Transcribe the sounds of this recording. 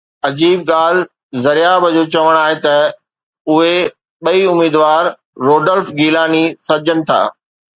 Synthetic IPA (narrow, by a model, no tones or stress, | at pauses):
ɐd͡ʑiːb̚ɠaːl̤ | zɐɾijabʱɐd͡ʑoːt͡ɕɐʋəɽ̃aːɦet̪ɐ | ʊɦe | ɓɐiʊmiːd̪ʋaːɾ | ɾoːɖəlfɡiːlaːnisɐɾd͡ʑʱənɪ̆t̪ʰa̰ː